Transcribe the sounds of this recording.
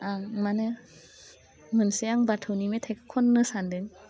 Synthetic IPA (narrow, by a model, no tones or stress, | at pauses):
amanɯ | mɯnseaŋbatʰɯwnimetʰajkʰɯ̥kʰɔnːɯsandɯŋ